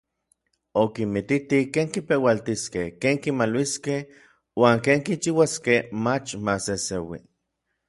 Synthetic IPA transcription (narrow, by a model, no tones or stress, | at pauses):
okimit̪it̪ikeːŋkipewalt̪iskehkeːŋkimalwiskeh | waːŋkeːŋkit͡ʃiwaskehmat͡ʃmasesewḭ